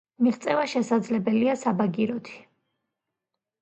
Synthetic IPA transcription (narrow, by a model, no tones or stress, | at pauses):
miʁt̪sʼɛvaʃɛsad̪zlɛbɛliasabaɡiɾɔt̪ʰi̥